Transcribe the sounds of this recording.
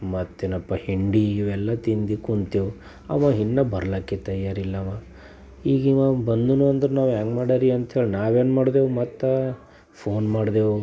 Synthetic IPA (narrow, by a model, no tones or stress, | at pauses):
mɐt̪ːenɐpːɐhiɳɖiːʋɛlːɐt̪ind̪ikunt̪ewu | ɐ̰mɐɦinːɐbɐɾɐlɐkːet̪ɐjaːɾilːɐma | iːɡimabɐnd̪unuɐnd̪ɐɾenaːʋjaːŋɡmaːɽaɾiɐnt̪ɦeːɭinaːʋeːnmaːɽd̪eːʋmɐt̪ːɐ | pʰoːnmaːɽd̪eːʋu